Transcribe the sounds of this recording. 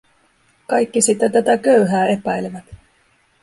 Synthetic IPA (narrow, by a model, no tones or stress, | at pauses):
kɑjkːisit̪ːæt̪æt̪ækøɥɦæːe̞pæjleʋæt̪